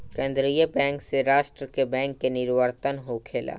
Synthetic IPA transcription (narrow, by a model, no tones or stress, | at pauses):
kẽːnd̪ɾijəbɛ̃ːŋkseɾaːʃʈɾəkebɛ̃ːŋkːenɪɾʋəɾt̪ənɦokʰeːla̰ː